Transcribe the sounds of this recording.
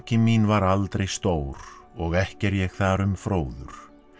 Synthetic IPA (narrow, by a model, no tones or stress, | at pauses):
cɪminvaɾalt̪ɾejst̪oːwɾɔɣɛhcɛɾjɛɣθaɾʏmfɾoːwðʏ̰ɾ̥